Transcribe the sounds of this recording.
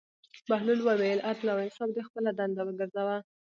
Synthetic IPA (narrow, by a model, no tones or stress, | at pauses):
bahlulwəwejlʔat̪lawɪnsɑbd̪expəlad̪and̪awəɡəɾzawa